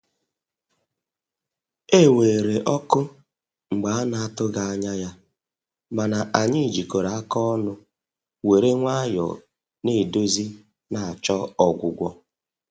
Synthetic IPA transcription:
e˦˨we˨ɾe˨ʔɔ˦kʊ˦ | ŋ͡m̩˨ɡ͡ba˨a˦na˨a˦tʊ˦ɡa˨a˦ɲa˦ja˦ | ma˨na˨ʔa˨ɲɪ˦˨d͡ʒi˨ko˨ɾa˨a˦kɔ˦nʊ˦ | we˨ɾe˦ŋʷa˦a˦jɔ̰˨ | ne˦˨do˦zi˦ | na˨a˨t͡ʃɔ˦ɔ˨ɡʷʊ˨ɡʷɔ˦

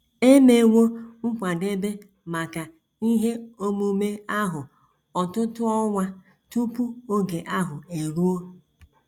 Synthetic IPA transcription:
e˦me˨ŋʷo˦ŋ̩˦kʷa˨de˦be˦ | ma˨ka˨ | i˦ɦe˦o˦mu˦me˦a˦ɦʊ˨ | ɔ˨tʊ˦tʊ˦ɔ˦ŋʷa˦ | tu˦pu˦o˦ɡe˨ʔa˦ɦʊ˨e˨ɾu˦o˦

